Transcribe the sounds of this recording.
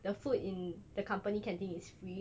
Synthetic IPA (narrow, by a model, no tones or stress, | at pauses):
dəfutɪ̃ndəkʰãmpənikɛ̃ntĩŋɪsfɹi